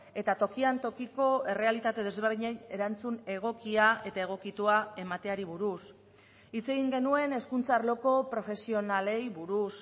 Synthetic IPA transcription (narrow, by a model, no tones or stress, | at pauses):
e̞t̪at̪o̞kiant̪o̞kiko̞e̞re̞alit̪at̪e̞ð̞e̞zβe̞ɾðiɲeje̞ɾant͡sune̞ɣ̞o̞kiae̞t̪ae̞ɣ̞o̞kit̪uae̞mat̪e̞aɾiβuɾus | it͡se̞ɣ̞iŋɡe̞nue̞ne̞skunt͡saːɾlo̞ko̞pɾo̞fe̞sio̞nale̞jβuɾus